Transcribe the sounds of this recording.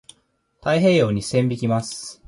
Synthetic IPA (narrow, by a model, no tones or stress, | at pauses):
t̪aiɦe̞ːjo̞ːɲ̟isẽ̞mbʲikʲimasɨ̥